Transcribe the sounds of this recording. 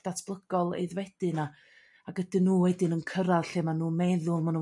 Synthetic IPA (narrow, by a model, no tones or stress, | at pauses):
d̥atʰb̥lˠəɡ̥ɔlˠḛɨðwɛd̥ɨna | aɡədɪnuːwɛdɨnənkʰəɾaðɬeːmanuːmɛðʊlˠmanu